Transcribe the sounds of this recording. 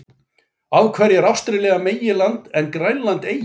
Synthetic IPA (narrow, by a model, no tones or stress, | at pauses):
aːwkʰvɛːɾjɪɛɾawfst̪ɾɪlɛːɣameːjɪlant̪ɛnːkɾajnlant̪eːj